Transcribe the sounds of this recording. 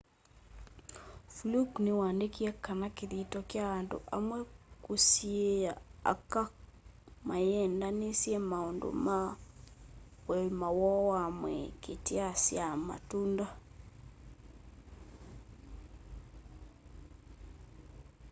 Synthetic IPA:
fluknewaːndekiɛkanakeðitɔkjaando̰ʔa̰mwɛkosieaa̰ka | majɛndanesjɛmaondo̰ma | wɛmawɔwamwɛ̰keteasjama̰tunda

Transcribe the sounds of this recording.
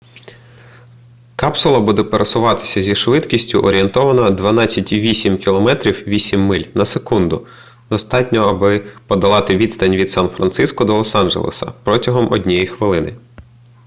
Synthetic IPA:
kɑpsʊlˠɐbud̪ɛpeɾɐsʊʋɑt̪ɪ̥sʲɐzʲiʃʋɪt̪kʲisʲtʲʊ̰ʔɔɾʲient̪ɔʋɐnɐd̪ʋɐnɑt͡sʲːɐtʲiʋʲisʲimkʲilˠɔmɛt̪ɾʲiwʋʲisʲimːɪlʲnɐsekund̪ʊ | d̪ɔst̪ɑtʲnʲɔɐbɪpɔd̪ɐlˠɑt̪ɪʋʲid̪st̪ɐnʲʋʲid̪sɑnfɾɐnt̪sɪskɔd̪ɔlˠɔsɑnʒḛlˠḛsɐ̰pɾɔtʲɐɦɔmʔɔdʲnʲɛjixʋɪlˠɪnɪ̰

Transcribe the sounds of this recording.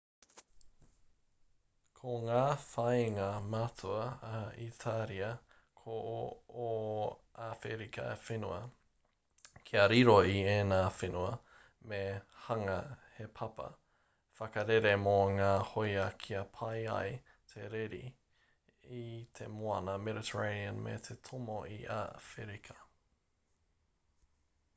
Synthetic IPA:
kʰoŋaːfɐjŋɐmat͡suɐitʰaɾiɐ | kʰoo | afeɾikʰɐ̰ḛfenuɐ | kʰiɐɾiɾoieːnaːfenuɐ | mehɐŋɐhepʰɐpɐ̰ | fɐkɐɾeɾemoŋaːhojɐkʰiɐpʰɐjɐ̰j | tʰeɾeɾḭ | it̪ʰemoɐnɐmɛɾɪtʰəɹeniənmḛt̪ʰetʰomoʔiʔa̰feɾikʰɐ̥

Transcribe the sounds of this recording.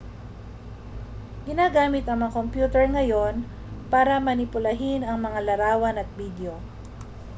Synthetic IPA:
ɡɪnaːɡaːmɪt̪ɐŋmɐŋakompjuːt̪ɛɹŋɐjo̞n | paːɾɐmɐnɪpʊlɐɦɪnɐŋmɐŋalɐɾaːwɐnɐt̪̚bid̪eo̞

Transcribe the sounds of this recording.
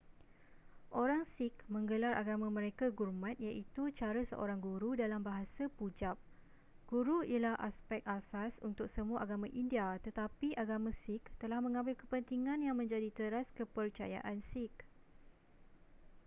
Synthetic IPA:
ʔoɾaŋsɪk̚mə̃ŋɡəlaɾʔa̰ɡamãmə̃ɾekaɡurmãt̪̚jaʔit̪ut͡ʃaɾasə̰ʔo̰ɾaŋɡuɾudalambaɦasapud͡ʒap̚ | ɡ̥uɾuialahʔa̰spɛk̪̚asasunt̪ʊk̚səmũaʔaɡamãʔindiat̪ət̪apiʔaɡamãsɪkt̪əlahmə̃ŋãmbɪlkəpənt̪iŋãnjaŋmə̃ɲd͡ʒadit̪əɾaskəpərt͡ʃa̰ja̰ʔansik̚

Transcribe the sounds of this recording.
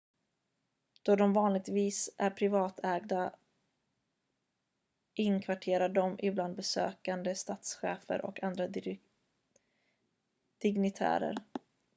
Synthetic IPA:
d̪̥ɔd̪ɔmvɑːnlɪɡ̚t̪viːsæɾpʰɾɪvɑːt̪ʰɛːɡd̪a | ʔɪnkʰvaʈʰeːɾaɖɔmʔɪbland̪̚bɛsø̰ːkand̪əst̪at̪sɧḛːfə̰ɾʔɔ̰kand̪ɾa | d̪̥ɪɡnɪt̪ʰæ̰ːɾə̰ɾ

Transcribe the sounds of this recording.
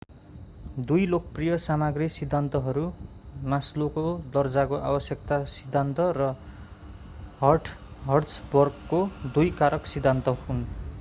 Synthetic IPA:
d̪ujlokʌprijʌsamaɡrisid̪ʱːant̪ʌɦʌɾu | maslokod̪ʌrd͡zakoʔa̰bʌsjʌkt̪asid̪ʱːant̪ʌrʌ | ɦʌrʈʰɦʌrsbʌrɡkod̪ujkaɾʌksid̪ʱːant̪ʌhun

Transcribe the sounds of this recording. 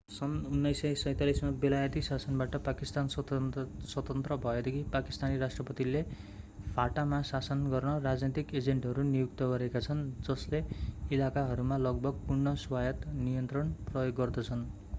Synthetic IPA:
sʌnunːʌjsʌjsʌjt̪alismabelajʌt̪isasʌnbaʈʌpakist̪ans | swʌt̪ʌnt̪rʌbʱʌed̪ʌkʰipaki̥st̪aniɾasʈrʌpʌt̪ile | pʰaʈamasasʌnɡʌrnʌrad͡znet̪iked͡zeɳʈɦʌɾunijuk̚t̪ʌɡʌɾekat͡sʰʌnd͡zʌsleilakaɦʌɾumalʌɡbʱʌɡ̚purnʌswajʌt̪nijʌnt̪rʌnprʌjoɡːʌrd̪ʌt͡sʰʌn

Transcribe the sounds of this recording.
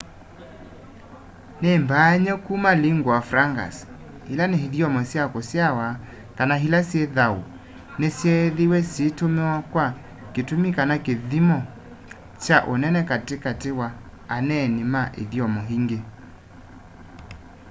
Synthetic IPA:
nembaɲɛkumaliŋɡwafɾaŋɡa̰s | hilaneɦiðjɔmɔsjakɔsjawa | kanaɦilasjɛðao̰ | nesjɛðiwɛsitomewakwa | ketumikanakeðimɔ | t͡ʃaʔonɛnɛkatekatewa | anɛnimaʔḛðiɔmɔɦiŋɡe

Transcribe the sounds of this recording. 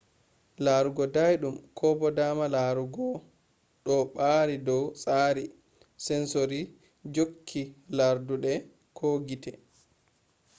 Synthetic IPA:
laɾuɡɔdajɗumkʰɔbɔdaːmalaɾuɡɔ | ɗɔɓaːɾidɔwsʼaːɾi | sɛnsoɾi | d͡ʒokʰːilaɾduɗɛ | kʰoːɡitɛ

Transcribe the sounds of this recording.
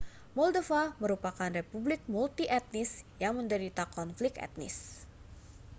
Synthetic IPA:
mɔldofaməɾupakanrepublɪk̚mult̪iʔɛt̪̚nɪsjaŋməndəɾit̪akɔnflɪk̚ɛ̰t̪̚nɪ̰s

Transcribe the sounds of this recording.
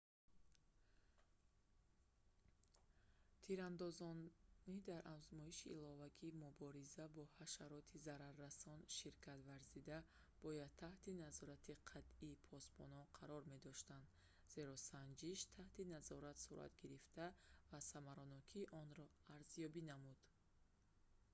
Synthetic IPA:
t̪ʰiɾand̪ɔzɔnnid̪aɾʔafzmɔiʃiːlɔvakʰiːmubɔɾizabɔhaʃaɾɔt̪ʰizaɾarːasɔnʃiɾkʰat̪vaɾzid̪a | b̥ɔjad̪̚t̪ʰːaht̪inazɔɾat̪ʰiqʰat̪iːpʰɔsbɔnɔnqʰaɾɔɾme̞d̪ɔʃt̪and̪ | ze̞ɾɔsand͡ʒiʃt̪ʰaht̪inazɔɾat̪suɾʔa̰t̪ɡiɾift̪avasamaɾɔnɔkʰiʔɔnɾɔaɾzjɔbinamud̪̥

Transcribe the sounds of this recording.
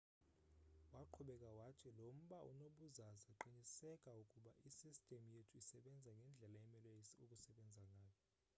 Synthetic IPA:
waǃʰuɓɛkʼawatʰilom̩ɓaʔṵnoɓuzazaǃiɲisɛkʼaukʼuɓaʔisistʼemujetʰuisɛɓɛnd͡zʱaŋɡʱɛnd͡ɮʱɛlaɛmɛlwesiukʼusɛɓɛnd͡zʱaŋʱaːjɔ

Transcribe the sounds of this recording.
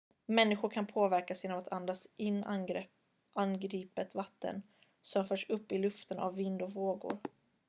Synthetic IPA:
mɛnːɪɧʊɾkʰanpʰoːvæɾkasjeːnɔmat̪ʰand̪asɪnːɛ | ʔanɡɾiːpət̪vat̪ːə̰n | sɔmfœːʂɵpːɪlɵft̪əna̰vːɪnd̪ɔvoːɡʊ̰ɾ

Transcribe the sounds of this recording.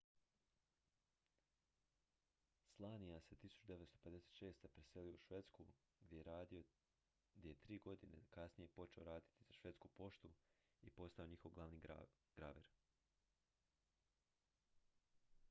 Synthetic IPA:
slˠaːnijaset̪isu̥t͡ʃud̪e̞ʋet̪st̪o̞pe̞d̪e̞se̥t̪ʃe̞ːst̪epɾese̞lijouʃʋe̞t̪sku | ɡd̪jeeɾaːd̪io | ɡd̪jejet̪ɾiːɡo̞d̪inḛkasnije̞po̞t͡ʃe̞o̞ɾaːd̪i̥t̪iz̥aʃʋe̞t̪skupo̞ʃt̪u | ipo̞st̪ao̞ɲixo̞ʋɡlˠaʋni | ɡ̥ɾa̰ːʋeɾ

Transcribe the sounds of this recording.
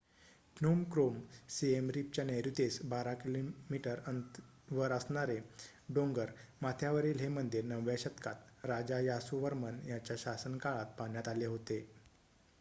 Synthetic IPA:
pʰnumkɾomsiemɾip̚t͡ɕjaneɾut̪esbaɾakilomiʈəɾənt̪ | ʋəɾəsɳaɾeɖoŋɡəɾmat̪ʰjaʋəɾilɦemənd̪iɾnəʋjaɕət̪kat̪ɾad͡ʑajasuʋəɾmənjat͡ɕjaɕasənkaɭat̪̚paɳjat̪aleɦot̪e

